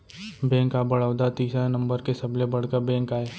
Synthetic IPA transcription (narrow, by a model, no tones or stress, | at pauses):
bɛ̃ːŋkabɐɽaːwd̪at̪iːsanɐ̃mbəɾkesɐblebɐɽ̤kəɾbɛ̃ːŋkaːeː